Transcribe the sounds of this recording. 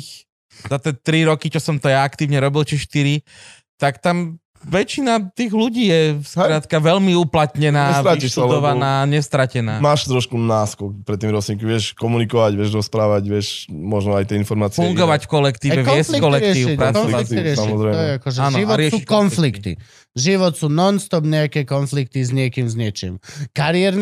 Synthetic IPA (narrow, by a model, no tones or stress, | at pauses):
zat̪ɛt̪ɾiɾɔkit͡ʃɔsɔmt̪ɔjaakt̪iːʊɲɛɾɔbilt͡ʃɛʃt̪iɾi | t̪akt̪am | ʋɛt͡ʃinat̪iːɣluɟiːjɛskɾaːt̪kaʋɛʎmiuplat̪ɲɛnaːʋ̪ɾaiiʃsuad̪ɔʋanaːɲɛst̪ɾacɛnaːmaːʃt̪ɾɔʃkunaːskɔkpɾɛt̪ːiːmɾɔsɲikiʋɪɛʃkɔmunikɔʋaɟʋɪɛʒɾɔspɾaːʋaɟʋɪɛʃmɔʒnɔajt̪ɪɛinfɔɾmaːt͡sifuŋɡɔʋacfkɔlɛkt̪iːʋɛʋɪɛslikɔlɛkɾɪtɛiːuiɾakɔnliiɾɪɛʃsaiɔzɾɛj̪ɔjɛakɔʒɛaːnʒiʋɔɛuːkɔnflikt̪ḭ | ʒiʋɔt̪suːnɔnst̪ɔbɲɛakɛːkɔnflik̚t̪izɲɪɛkiːmzɲɛt͡ʃḭːmkaɾijɛɾn